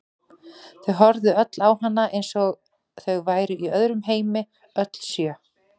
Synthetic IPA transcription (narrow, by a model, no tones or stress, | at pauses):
θœɣɦɔɾðʏœt̪lawhanːaʔejnsɔɣ | θœɣvaːjɾʏʔiœðɾʏmɦeːjmɪ | œt̪l̥sjœ